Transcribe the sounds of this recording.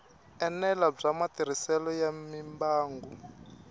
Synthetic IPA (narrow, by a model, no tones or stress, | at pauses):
ɛnɛlab͡ʐamatiɾ̤isɛlɔjamimbaːŋɡu